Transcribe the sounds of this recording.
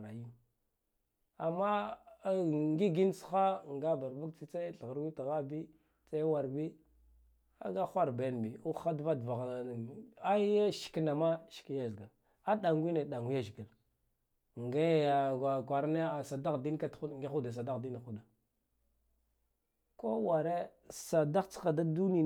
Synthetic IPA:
ɾa˨ji˦ | a˨mːa˦ | ŋɡi˦ɡi˦nsu̥˨˦xa˦ŋɡa˦ba˨ɾbu˦k̚t͡si˦t͡sa˦ɬɣa˨ɾwi˦ta˨ɣa˦bi˦ | t͡sa˦wa˨ɾbi˦ | a̰˦ɡa˦xʷa˦ɾbe˨˦nbi˨u˦a˦dva˦dva˨ɣa˦a˦ʃi̥˨kna˨ma˦ʃi̥˨ki˦ja˦zɡa˨ | a˦ɗa˨ŋɡʷi˦ne˨ɗa˨ŋɡu˦ja˦ʒi˨ɡa˨l | ŋɡa˦ja˨a˨kʷa˨ɾna˦a˨sa˨da˦ɣdi˦n˦ka˦tŋɡi˦u˦da˨s̬a˨da˦ɣdi˦na˨xu˦da˨ | ko˦wa˨ɾe˦ | sa˨da˦t͡sxa˨da˦du˦ni˦˨

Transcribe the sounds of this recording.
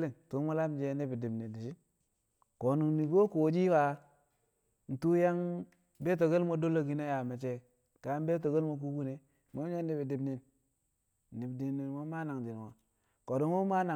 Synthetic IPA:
li˨ŋtu˦mo˦la˦m˦d͡ʒe˦ni˦bi˨di˨bni˨ndi˨ʃi˦ | ko˨nu˨ŋni˨ɡo˦ko˨d͡ʒi˦wa˨ | n̩˨tu˦ja˦ŋ | be˦t̬o˨ɡe˦lmo˦do˦lo˦ɡi˦na˦ja˨me˨t͡ʃe˦ | ka˨˦n˦be˦t̬o˨ɡe˦lmo˦k̬u˦ɡu˦ne˨ | mo˦a˦n˦i˨bi˨di˨bni˨n | n˨i˨di˨ni˨nwo˦ma˦na˨ŋd͡ʒi˨n˨o˨ | ko˨do˦o˦ma˦na˨

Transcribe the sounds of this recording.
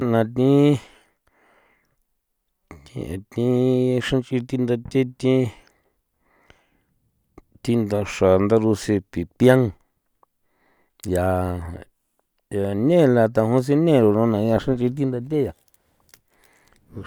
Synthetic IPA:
nã˨t̪ĩ˦ | t̪ḭ̃˧ḛ̃˨t̪ĩ˦ʂã˦nt͡ʃi˧t̪i˧nd̪a˧t̪e˦t̪ĩ˦ | t̪i˧nd̪a˧ʂa˨nd̪a˦˧ɾu˧se˧pi˨pja˦ŋ | ja˧ | ja˨nẽ˦˨˧la˧t̪a˧ɦũ˦s̬i˧nẽ˦˨ɾo˨nõ˧nã˨˧ja˧ʂã˦nt͡ʃi˧t̪̬i˦nd̪a˧t̪̬ʲe˦ja˨˧

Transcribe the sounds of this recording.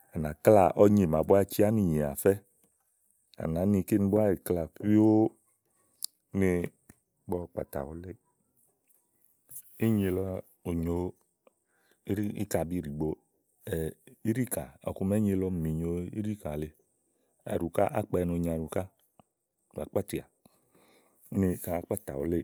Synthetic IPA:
a˨na˨kla˨ʔɔ˦ɲe˨ma˨bo˦a˦˧t͡ʃi˦a˦ni˦˨ɲe˨a̰˨fɛ˦ | a̰˨na˨˦ni˧ke˦n˦bu˦a˦ɾi˨kla˨ki˦o˦ | ne˧˦ | ɡ͡bɔ˦˨k͡pa̰˨ta̰˨wo˦le˦˨˦ | i˦ɲe˧lɔ˧ | o˨ɲo˨˦ | ɾi˦ḭ˦ka˨bi˦˨ɾi˨ɡ͡bo˨ | i˦ɾi˦ka̰˨ɔ̰˨ku˧me˦ɲe˧lɔ˦˨mi˨ɲo˨ḭ˦ɾi˦ka˨le˨ | a̰˨ɾu˨ka˦ʔa̰˦k͡pa˨˧˨no˧˨ɲ˨a˨ɾu˨ka˦˨ | a̰˨k͡pa˦ti˨a˨˦ | ne˧ka˦˨˦k͡pa˦ta̰˨wo˨˦le˦˨

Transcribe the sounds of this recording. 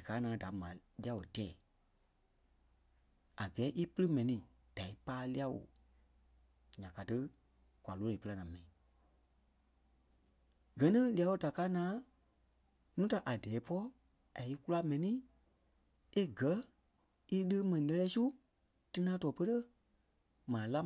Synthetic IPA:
dɨ˨kaː˦nãː˨˦da˨mã̰˨li˦a˧˦wo̰˨tɛː˨ | a˨ɡɛː˨˦ʔi˦pɨ˦lɨ˦mɛ̃˨nĩ˧ | d̥a˨i˦paː˦li˦a˦wo̰˨ | ɲã˨ka˨tɨ˦ | kʷa˨loː˦nĩː˨pə˧la˧nãː˨mɛ̃˨ĩ˨ | ɡɜ˨nĩ˦li˨˦a˧wo˧da˨kaː˦nãː˦ | nũ˦ta˨ʔa˨dɛː˨˦pɔ˦ | a˨i˦ku˦la˦mɛ̃˨nĩ˦ | e˦ɡɜ˨˦ | i˦lə˦mɛ̃˨nĩ˨lɛ˦˧lɛː˧˦su˦ | tɨ˧˦nãː˦tɔː˨pə˦tə˦ | mãː˨la˦

